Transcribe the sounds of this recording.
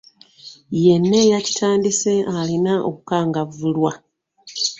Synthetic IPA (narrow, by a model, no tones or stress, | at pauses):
je̞nːe̞jaci̥tʰaːndise̞ʔalinaʔo̰kukaːŋɡavulwa